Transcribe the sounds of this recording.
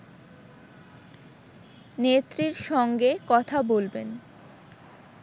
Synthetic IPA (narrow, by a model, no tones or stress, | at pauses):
net̪ːɾiɾʃɔŋɡekɔt̪ʰabolben